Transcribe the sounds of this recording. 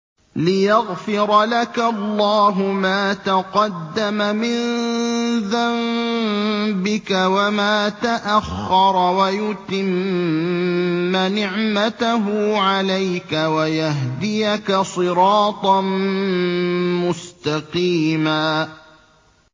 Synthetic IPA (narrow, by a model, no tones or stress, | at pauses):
lɪjaɣfɪɾˤɑlakalːɑːɦʊmaːt̪aqɑd̪ːamamɪn | ðam | bɪkawamaːt̪aʔaxːɑɾˤɑwajʊt̪ɪm | anɪʕmat̪aɦʊʕalajkawajaɦd̪ɪjakasˤɨɾɑːt̪ˤɑn | mʊst̪ɑqiːmaː